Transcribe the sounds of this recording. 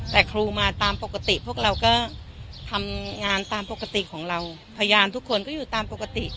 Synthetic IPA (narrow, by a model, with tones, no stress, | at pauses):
t̪ɛː˨˩kʰɾuː˧maː˧t̪aː˧mpo˨˩ka˧t̪i˨˩pʰu˥˩ək̚ɾa˧wkɔː˥˩ | t̪ʰa˧mŋaː˧nt̪aː˧mpo˨˩ka˧t̪i˨˩kʰɔː˩˦ŋɾa˧w | pʰa˧jjaː˧mt̪ʰu˦˥kʰːo˧nkɔː˥˩juː˨˩t̪aː˧mpo˨˩ka˧t̪i˨˩ʔ